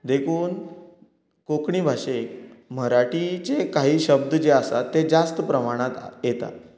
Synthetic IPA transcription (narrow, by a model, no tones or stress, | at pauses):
d̪ekʰuːn | kokɳiːbʱaɕem̤əɾaʈit͡sekaɦiːɕəb̚d̪əd͡ʑeasat̪ːed͡zast̪əpɾəmaɽ̃at̪jet̪a̰